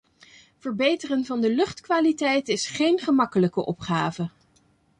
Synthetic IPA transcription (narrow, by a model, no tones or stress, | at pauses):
v̥əɹbejtərənvɑndəlɵχtkʋaːlitɛjtɪsχejnχəmɑkələkəʔɔpχaːvə